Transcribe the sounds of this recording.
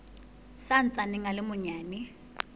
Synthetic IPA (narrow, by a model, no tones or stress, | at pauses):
sant͡sʼaniŋalɪmʊɲaːni